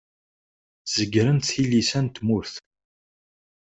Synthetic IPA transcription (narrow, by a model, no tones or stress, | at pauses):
z̥əɡɾənt̪θθilisænt̪mʊɾθ